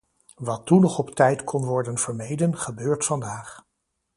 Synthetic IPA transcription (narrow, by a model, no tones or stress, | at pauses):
ʋɑtunɔχɔptɛjtkʰɔnʋɔɹdənv̥əɹmejdənχəbøːɹtfɑndaːχ